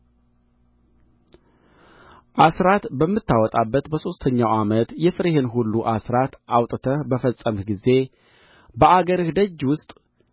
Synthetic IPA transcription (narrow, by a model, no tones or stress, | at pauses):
ʔasɾat̪bəmːɨt̪ʰːawɔt̪ʼabːət̪bəso̞st̪ʰəɲːawamət̪jɛfɨɾehenɦulːuʔasɾat̪ʔawt̪ʼt̪ʰəbəfəsʼəmɡize̞ | bəaɡəɾɨhd̪əd͡ʒːwʊst̪ʼ